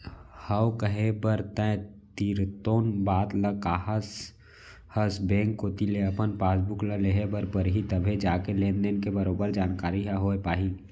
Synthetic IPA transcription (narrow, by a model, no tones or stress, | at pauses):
hɐwkəɦebəɾt̪ɛ̃t̪iːɾt̪oːnbaːt̪ləkaːɦəs | həsbẽːŋkːot̪ileɐpənpaːs̬bʊkləleɦebəɾpəɾɦit̪əbʱed͡ʒaːkelẽːnd̪enkebəɾoːbəɾd͡ʒaːnkaːɾiɦaɦoːepaːɦi